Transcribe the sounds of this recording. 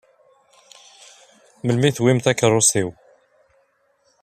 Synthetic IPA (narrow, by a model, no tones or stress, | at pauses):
məlmiθwimθækːərˤʊsiw